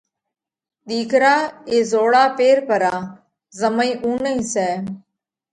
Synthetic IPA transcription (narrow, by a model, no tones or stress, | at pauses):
ɗ̪iːkɾaːeːzoːɽaːpeːɾpəɾaː | zəməĩːʔũːnəĩsɛː